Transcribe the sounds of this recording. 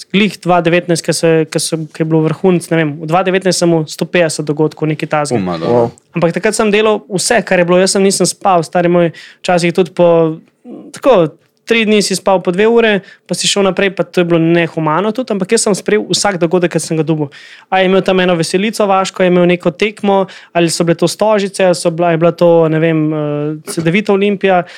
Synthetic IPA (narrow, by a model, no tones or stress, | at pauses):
ɡlixd̪ʋad̪ɛʋeːt̪najst̪̚kɐsɛkasɛkɐjɛbloʋɾxunt̪snɛʋemud̪ʋad̪ɛʋeːt̪najst̪səmust̪oped̪ɛsɛt̪d̪ɔɡot̪kɔwnekit̪azɡi | ampakt̪akɾət̪səmd̪eːlɐwusɛkaɾjɛbloːjəsːəmnisəmspawst̪aːɾimojt͡ʃas̬ixt̪ut̪pɔ | t̪ḁko | t̪ɾid̪nisispawpɔd̪ʋeuːɾɛpasiʃəwnapɾɛjpat̪oːjɛblonɛxɔmaːnɔt̪ut̪ampakjəsːəmspɾɛjewusaɡd̪ɔɡoːd̪əkːt̪səmɡad̪ubəwajɛmeːwt̪ɐmɛːnɔʋɛsɛlit̪sɔʋaʃkɔajɛmeːwnekɔt̪ekmɔalisɔblet̪ost̪ɔʒit̪sɛalsɔbajɛblat̪onɛʋeməsɛd̪ɛʋiːt̪ɔolimpija